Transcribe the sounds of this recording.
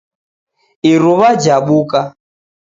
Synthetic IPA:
iɾuβad͡ʒaɓuka

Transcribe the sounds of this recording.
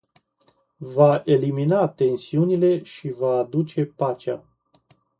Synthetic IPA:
vaʔe̞liminat̪e̞nsiunile̞ʃivaːd̪ut͡ʃe̞pat͡ʃea̰

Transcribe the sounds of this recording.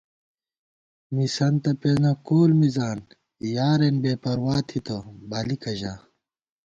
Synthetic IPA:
misɐnt̪ɐpenɐkoːlmizaːn | jaːɾenbeːpɐɾwaːt̪ʰit̪ʰobalikɐʑa

